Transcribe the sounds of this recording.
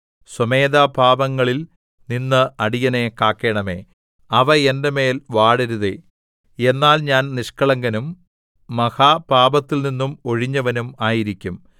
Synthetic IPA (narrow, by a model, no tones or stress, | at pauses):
sɐme̞ːd̪aːbʱaːbɐŋːɐɭil | ninːɨɐɽijɐnekaːkːe̞ːɳɐme̞̰ː | ɐʋɐendeme̞ːlʋaːɽɐɾuðe | e̞nːaːlɲaːnniʂkɐɭɐŋɡɐnumː | ɐhaːbaːbɐt̪ːilninːumo̞ɻiɲːɐʋɐnumaːjiɾikʲːum